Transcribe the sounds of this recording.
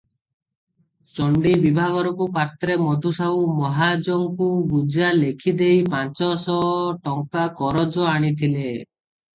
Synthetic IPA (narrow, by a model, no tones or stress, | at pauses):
sɔɳɖibibʱaɡɔɾɔkupat̪ɾemɔɖ̪ʱusawmɔɦad͡ʒɔŋkuɡud͡ʒalekʰid̪ejpant͡ʃɔsɔʈɔŋkakɔɾɔd͡ʒɔaɽ̃it̪ʰile